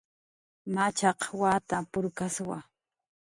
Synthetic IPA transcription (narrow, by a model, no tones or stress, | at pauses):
mat͡ʃɑqwaːt̪apʊɾkaswa